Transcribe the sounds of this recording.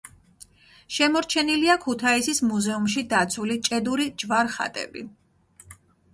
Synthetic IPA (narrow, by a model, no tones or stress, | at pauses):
ʃɛmɔɾt͡ʃʰɛniliakʰut̪ʰaisismuzɛumʃid̪at̪sʰulit͡ʃʼɛd̪uɾid͡ʒvaɾχa̰t̪ʼɛ̰bḭ